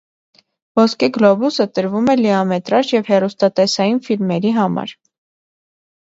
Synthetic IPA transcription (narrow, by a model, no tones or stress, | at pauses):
vɔskɛɡlɔbusət̪əɾvumɛlɛɑmɛt̪ɾɑʃjɛvhɛrust̪ɑt̪ɛsɑjinfilmɛɾiɦɑmɑ̰ɾ